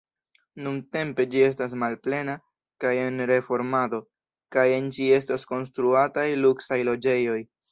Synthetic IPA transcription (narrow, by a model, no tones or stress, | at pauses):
nunte̞mpe̞d͡ʒie̞s̬tas̬malple̞na | kaje̞nɾe̞fo̞ɾmado̞ | kaje̞nd͡ʒie̞stasko̞nstɾuatajluksajlo̞d͡ʒe̞jo̞j